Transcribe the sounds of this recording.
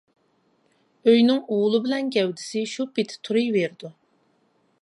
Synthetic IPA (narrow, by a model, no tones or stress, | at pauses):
øjnɪŋuʁʊlˠɨbɪlɛnkʲʰɛwd̪ɪsɪʃupet̪ʰɪ̥t̪ʰuɾɨjveɾd̪u